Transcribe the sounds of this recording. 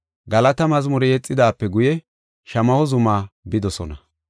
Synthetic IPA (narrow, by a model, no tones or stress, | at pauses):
ɡɐlɐt̪ɐmɐzmʊɾɛjɛt͡sʼːɪd̪aːpːɛɡʊjɛ | ʃɐmɐhɔzʊmaːbɪd̪ɔsɔ̰nɐ